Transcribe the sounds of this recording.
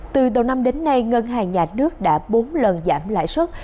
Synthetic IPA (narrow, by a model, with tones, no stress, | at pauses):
t̪ɨ˨˩ɗə˨˩wna˧mɗe˨˦nːa˧jŋə˧nɦaː˨˩ɲaː˨˩nɨ˦˥ək̚ɗa̰ː˧˥ɓo˨˦nlə˨˩nzaː˧˩mla̰ː˧˨jswə˦˥t̚